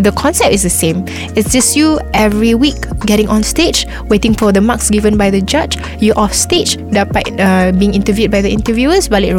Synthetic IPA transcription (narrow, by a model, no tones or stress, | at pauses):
d̪əkʰɔ̃nsɛp̚tɪsdəsẽm | ɪtsd͡ʒəsjuʔɛvɹiwik̚ɡɛɾɪ̃ŋɔ̃nsted͡ʒ | wetɪ̃ŋfɔdəmaksɡivə̃nbajðəd͡ʒat͡ʃ | juʔɔfsted͡ʒdapabiɪ̃ŋĩntəvjud̚bajd̪ðəĩntəvjuəsbalɪ